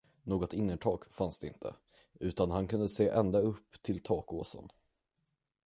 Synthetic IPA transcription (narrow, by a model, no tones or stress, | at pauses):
noːɡɔt̪ɪnːəʈʰɑːɡfansd̪ɛɪ̰nt̪ʰə̰ | ʉ̟ːt̪anɦankʰɵnd̪əseːʔɛnd̪aɵpːt̪ʰɪlt̪ʰɑːkoːsə̰n